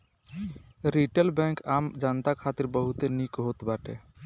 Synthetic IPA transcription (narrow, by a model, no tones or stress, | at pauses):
ɾiʈəlbɛ̃ŋkaːmd͡ʒant̪akʰaːt̪iɾbəɦut̪enikɦot̪baːʈḛ